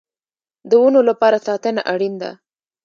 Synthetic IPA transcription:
d̪əwunolapɑɾasɑt̪ənaʔaɽind̪a̰

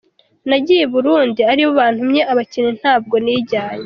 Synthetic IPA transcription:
naɟijeβuɾuːndiaɾiwoβaːn̥humɲeʔaβacinin̥haːb̚ɡo̞niːɟaːɲe

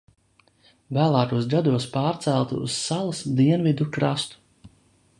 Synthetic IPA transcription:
væːlˠaːk̪uɔsɡad̪uɔspaːɾt̪sælˠt̪ṵssalˠasd̪iɛnvid̪ukɾast̪u̥

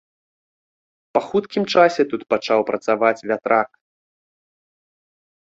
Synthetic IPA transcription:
pɐxut̪kʲimt͡ʂasʲɛt̪ut̪pat͡ʂawpɾʔɐt̪savat͡sʲvʲat̪ɾʔak

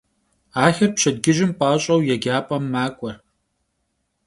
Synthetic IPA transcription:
aːxɐrpɕɐd̪ɡɪʒɪmpʼaːɕʼɐwjɛɡʲaːpʼɐmːaːkʷʼɔr

